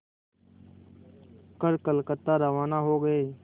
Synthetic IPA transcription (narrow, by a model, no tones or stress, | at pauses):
kəɾkəlkət̪ːaɾəʋaːnaɦoːɡəeː